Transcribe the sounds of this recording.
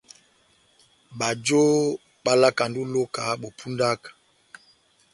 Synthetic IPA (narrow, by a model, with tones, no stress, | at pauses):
ɓa˨d͡ʒo˦ | ɓa˦la˦ka˨ndu˦lo˦ka˨˦ɓo˨pʰu˦nda˦kḁ˨